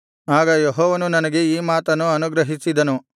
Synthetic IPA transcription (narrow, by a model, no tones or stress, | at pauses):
aːɡɐjeɦɔːʋɐnunɐnɐɡe̞iːmaːt̪ɐnːuɐnuɡɾɐɦisid̪ɐnu